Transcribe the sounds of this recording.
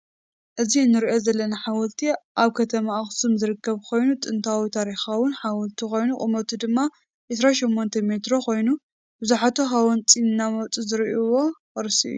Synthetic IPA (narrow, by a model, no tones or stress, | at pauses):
ʔɨziɨnːɨɾiʔo̞zɐlːɐnaħawɔlt̪ʰiʔaβkʰɐt̪ʰɐmaxsumzɨɾɨkʰːɐβkʰo̞jnut̪ʼɨnt̪ʰawit̪ʰaɾixawʊnħawɔlt̪ʰiko̞jnuχʼɨ̰mot̪ʰud̪ɨmːa | ʔɨsɾaʃɛmːont̪ʰɐme̞t̪ɾo̞kʰo̞jnu | bɨzuħat̪ʰuɦawɔnt͡sʼinɨnːamɐwt͡sʼizɨɾiʔuwo | ɐɾsiʔjːu